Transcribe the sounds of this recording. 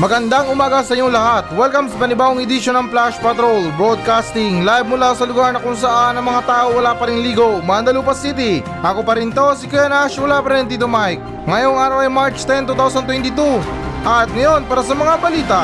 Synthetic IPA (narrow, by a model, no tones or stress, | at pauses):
mɐɡɐnd̪aŋʊmaːɡɐsɐjoŋlɐhat̪wɛlkɐmsɐpɐnɪbaːʔoŋɪd̪ɪʃonɐŋplaʃpɐt̪ɾolbɾod̪̚kast̪ɪŋlajb̚mʊlaːsɐlʊɡaɾnɐkʊŋsɐʔanːɐŋmɐŋat̪aːʔowɐlapɐɾɪŋliːɡo̞mand̪ɐlupɐsit̪̬ɪ | ʔɐkopɐɾɪnt̪o̞sɪkɛnaʃwʊlapɐɾɛnt̪̬it̪omajk̚ | ŋɐjoŋʔaːɾɐwɐjmaɹt͡ʃt̪ɛnt̪ut̪awsɐnt̪̬wɛnt̪ɪt̪u | ʔɐt̪̚ŋɐjo̞npaːɾɐsɐmɐŋabɐliːt̪ɐ